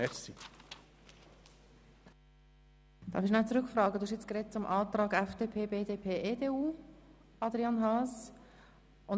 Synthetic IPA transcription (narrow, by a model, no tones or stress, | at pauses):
ɛsi | d̥ɑ̰ːfɪiʃnat͡sɾʏkfrɑːɡəd̥uhɪʃjɛt͡skɾɛt̚t͡sʊmʔɑːtɾɑːɡɛfd̥eːpʰeːbeːdeːpʰeːʔeːdeːuː | ɑdɾiɑnɦɑːs | ʔʊn